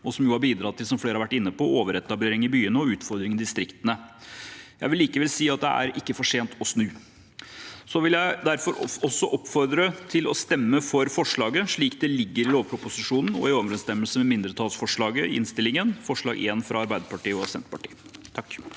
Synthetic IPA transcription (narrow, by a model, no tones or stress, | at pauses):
ɔsɔmjuːhɑɾbiːd̪ɾɑt̪ʰːɪlsɔmfleːɾəɑʋæʈːɪnːəpɔoːʋəɾɛt̪ːɑbleːɾɪŋɪbyːənəɔʉːt̪fɔɾd̪ɾɪŋənd̪ɪst̪ɾɪkt̪ənə | jæɪʋɪlːiːkəʋɛlsiːɑt̪̚d̪ɛ̰æ̰ɾɪkːəfɔʂeːnt̪ɔsnʉː | sɔʋɪljæɪd̪æɾfɔɾɔsːɔʔɔpfɔɾd̪ɾət̪ʰɪlɔst̪ɛmːəfɔɾfɔʂɭɑːɡəʂɭiːkd̪ɛlɪɡːəɾɪloːʋpʰɾʊpʊsɪʂuːnn̩ɔ̰ɪoːʋɾɛnst̪ɛmːəlsəmɛmɪnd̪ɾət̪ʰɑːlsfɔʂɭɑːɡəɪ̰ʔɪ̰nst̪ɪlːɪŋənfɔʂɭɑ̰ːɡḛːnfɾɑɑɾbæɪd̪əɾpɑʈiːɔsɛ̰nt̪əpɑʈḭːt̪ʰɑkː